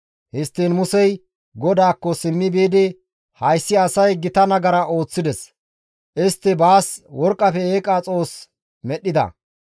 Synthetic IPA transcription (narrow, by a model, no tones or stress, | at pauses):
hɪst̪ːiːnmʊsɛj | ɡɔd̪aːkːɔsɪmːɪbeːd̪ɪ | hɐjsːɪɐsɐjɡɪt̪ɐnɐɡɐɾɐʔo̞ːt͡sːɪd̪ɛs | ʔɪst̪ːɪbaːswɔɾkʼːɐfɛeːkʼːaːt͡sʼo̞ːs | mɛɗːɪd̪ɐ̰